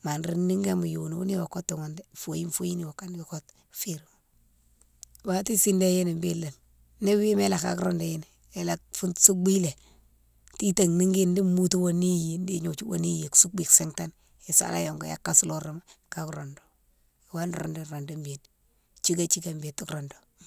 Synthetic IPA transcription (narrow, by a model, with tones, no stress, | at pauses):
ma˨nɾi˦nːi˦ŋɡe˦mu˨ju˨nu˨bu˦ni˦wa˨ko˦tːu˨ŋo˨nde˦fo˨ji˦nfo˦ji˦ni˦˨wa˨ka˦n˦ko˦t | fi˦ɾm | wa˨ti˦si˦nde˦je˦ni˨mbe˦la˨n | ne˦we˦me˦la˨ka̰˨kɾo˦nde˨je˦n˨ | e˨la˨kfu˦nsu˦kbi˦le˨ | ti˦ta˨ŋni˦ŋɡi˦ndi˦mu˦tu˦wo˨ni˦je˨n˦di˦ɲo˨t͡ʃu˦wo̰˨ni˦je˨ksu˦bi˨kse˦ŋta˦n | e˨sa̰˨la̰˦jo˨ŋɡo˨ja̰˦kːa˦su˦lo˦ɾa˨ma˦ka˨kɾo˨ndo̥˨ | i˨wa˦nɾo̰˨nde˨ɾo˨nde˦mbe˨n | t͡ʃi˦ɡa˦t͡ʃi˦ke˨mbe˨tːi˦kɾɔ˨ndo˨